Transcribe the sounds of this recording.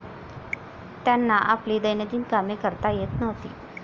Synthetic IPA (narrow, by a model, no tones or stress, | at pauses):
t̪janːaʔapliːd̪əjned͡ʑ̪iːnkamjekəɾt̪ajet̪nəʋt̪iː